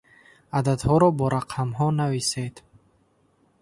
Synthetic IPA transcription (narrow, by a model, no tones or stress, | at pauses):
ad̪ad̪hɔɾɔbɔɾaqʰamɦɔnavised̪̥